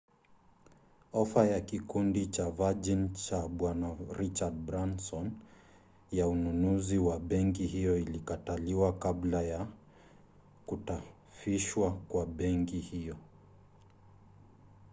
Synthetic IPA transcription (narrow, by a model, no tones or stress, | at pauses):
ɔfajakikundit͡ʃavad͡ʒint͡ʃaɓwanaɾit͡ʃad̚bɾansɔn | jaununuziwaɓɛŋkihijɔilikataliwakablaja | kuta | fiʃwakwaɓɛŋkihijɔ